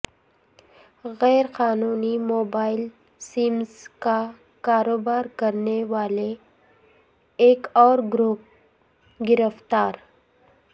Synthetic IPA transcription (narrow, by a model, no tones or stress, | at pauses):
ɣɛːɾqaːnuːnimoːbaːɪl | siːmzka | kaːɾoːbaːɾkɐɾneʋaːle | kɔːɾɡɾuːp̚ | ɡɪɾəft̪aːɾ